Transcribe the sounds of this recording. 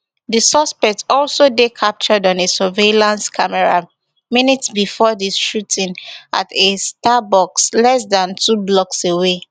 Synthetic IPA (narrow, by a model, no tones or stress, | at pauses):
disɔspɛk̚tɔlsodekʰap̚t͡ʃɔdɔ̃nesɔvelãnskʰamɛɹa | minitsbifɔdisʃutʰĩnʔa̰tʰestabɔkslɛsdãntʰublɔksewe